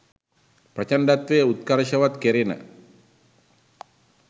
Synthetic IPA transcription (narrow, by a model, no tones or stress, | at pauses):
pɾat͡ʃandat̪weut̪̚kaɾaʃawat̪keɾina̰